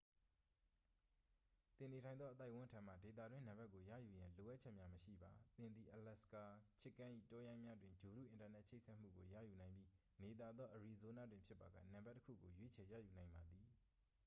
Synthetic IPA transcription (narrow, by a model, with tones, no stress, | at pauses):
t̪ɪ̃˨ne˨tʰã˨ɪ̃nðɔ˦ʔə˦t̪a˦ɪʔwʊ̃˦ntʰã˨m̥ä̰˦˨de˨t̪a̰˦˨dwɪ̃˦nã˨mba˦kːo˨jä̰˦˨ju˨jã˨lo˨ʔa˦t̚t͡ɕʰɛ˦ʔmja˦məʃḭ˦˨ba˨t̪ɪ̃˨nd̪i˨ʔəlɛ˦˨ska˨t͡ɕʰɪ˦kːã˦ʔḭ˦˨tɔ˦jã˦ɪ̃mja˦dwɪ̃˨ɲd͡ʑo˨ɾṵ˦ʔɪ̃˨nta˨nɛ˦ʔt͡ɕʰe˦ɪʔsʰɛ˦ʔm̥ṵ˦˨ɡo˨jä̰˦˨ju˨nã˨ɪ̃mbji˦ | ne˨t̪a˨d̪ðɔ˦ʔəɹi˨zo˨˦na˦dwɪ̃˨pʰjɪ˦pːa˨ɡä̰˦˨nã˨mba˦tːəkʰṵ˦˨ɡo˨jwe˦t͡ɕʰɛ˨jä̰˦˨ju˨nã˨ɪ̃mba˨d̪i˨